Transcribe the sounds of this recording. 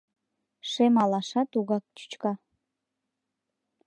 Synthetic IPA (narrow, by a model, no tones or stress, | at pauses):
ʃemɑlɑʃɑt̪uɣɑk̚t͡ʃy̥t͡ʃkɑ